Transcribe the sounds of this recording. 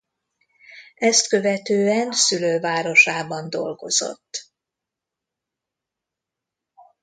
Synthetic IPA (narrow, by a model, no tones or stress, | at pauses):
ɛst̪kø̞vɛt̪øːɛnsyløːvaːɾo̞ʃaːbɒnd̪o̞̰lɡo̞̰z̥o̞̰t̪ː